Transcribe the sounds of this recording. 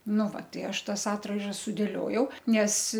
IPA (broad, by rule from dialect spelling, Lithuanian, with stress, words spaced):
ˈnʊ ʋɐ ˈtɐɪ ˈɐʃ ˈtɐs ˈɑːtrɐɪʒɐs sʊdʲeːˈlʲoːjɛʊ ˈnʲɛs